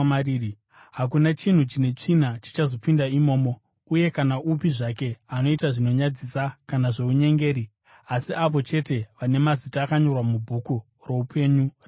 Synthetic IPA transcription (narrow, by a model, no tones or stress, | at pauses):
mari | ɦak̬unat͡ʃin̤ut͡ʃine̞t͡ʂin̤at͡ʃi̥t͡ʃazo̞pindaimo̞ːmo̞ | uje̞kanaʔupiʐake̞ano̞itaʐino̞ɲad͡zisakanaʐe̞uɲe̞ŋɡe̞ːɾi | asiʔaʋo̞t͡ʃe̞te̞ʋane̞mazitaːkaɲo̞rwamubʱuku | ro̞upʰe̞ɲur